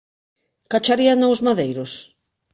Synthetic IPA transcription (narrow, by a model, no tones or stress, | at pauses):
kat͡ʃaɾianoʊzmaðejɾʊs